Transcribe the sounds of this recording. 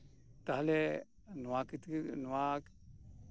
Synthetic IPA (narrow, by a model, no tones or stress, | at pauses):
t̪aɦle | nuakit̪knuak